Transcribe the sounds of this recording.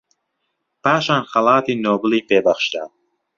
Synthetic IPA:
paːʃaːnxɐlˠɑːt̪iːnoːbɨliːpeːbɐχʃd̪a̰ː

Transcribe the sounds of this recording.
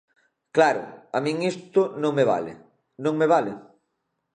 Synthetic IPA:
klaɾʊ̰amĩŋist̪ʊnõŋmeβa̰lḛ | nõŋmeβale

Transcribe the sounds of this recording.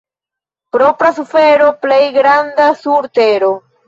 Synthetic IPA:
pɾo̞pɾasufe̞ɾo̞plejɡɾandasuɾte̞ɾo

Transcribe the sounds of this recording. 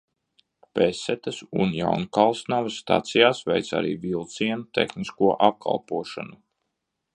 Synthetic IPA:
pesːɛt̪ɐsunja̰wnkalˠsnavasːt̪a̰t̪sijaːsvɛ̰jt̪sa̰ɾḭːvilˠt̪siɛnut̪ḛxniskuɔʔap̚kʰa̰lˠpuɔʃanu

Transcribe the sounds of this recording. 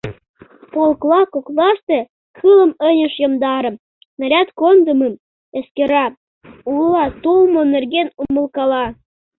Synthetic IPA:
polklɑkoklɑʃt̪ĕ | kʰɯlə̆mənʲə̆ʃjə̆md̪ɑɾə̆m | nəɾʲɑt̪kond̪əməm | eskeɾɑ | ulɑt̪olmonerɡenumə̆lkɑlɑ

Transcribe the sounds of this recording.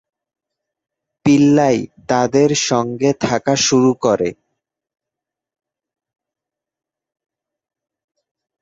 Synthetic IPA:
pilːajt̪ad̪eɾʃɔŋɡet̪ʰakaʃuɾukoɾe

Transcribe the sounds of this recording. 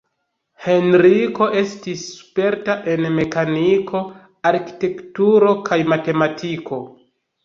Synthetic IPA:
he̞nɾiko̞ʔe̞stisːu̥pe̞ɾtaʔe̞nme̞kanikʰo̞ | aɾki̥te̞ktuɾo̞kʰajmate̞matiko̞

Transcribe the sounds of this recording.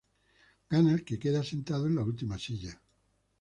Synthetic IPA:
ɡanalkekeðasent̪aðoenlault̪̬imasiʎa

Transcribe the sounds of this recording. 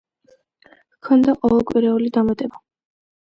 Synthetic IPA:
kʰɔnd̪aqʼɔvɛlˠkʼwiɾɛulid̪amat̪ʼɛba

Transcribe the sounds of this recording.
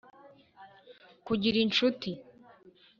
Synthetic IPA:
kuɟiɾint͡ʃuti

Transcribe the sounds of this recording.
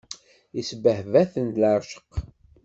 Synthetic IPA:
isbəhvæθənt̪ləɾˤʃə̥q

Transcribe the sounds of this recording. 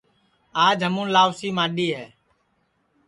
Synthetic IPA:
aːd͡ʒɦəmũːnlaːʋsiːmãːɗiːɦɛː

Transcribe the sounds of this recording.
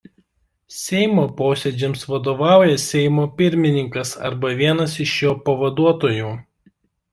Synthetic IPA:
sʲɛɪmoːpoːsʲɛd͡ʒʲɛmsʋɐd̪oːʋɑˑʊjɛsʲɛɪmoːpʲɪɾʲmʲɪnʲɪŋkɐsɐ̰ɾbɐʋʲiɛnɐsɪʃjoːpɐʋɐd̪uɔt̪oːjuː

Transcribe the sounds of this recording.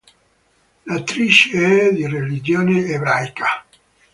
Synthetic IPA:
lat̪ːɾit͡ʃeɛd̪irelid͡ʒoːneebɾajkʰa

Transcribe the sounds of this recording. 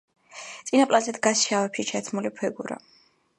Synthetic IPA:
t̪sʼinapʼlazɛd̪ɡasʃavɛpʃit͡ʃʰat̪ʰmulipʰɛɡuɾa̰

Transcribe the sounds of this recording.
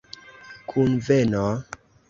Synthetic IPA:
kʰunveno

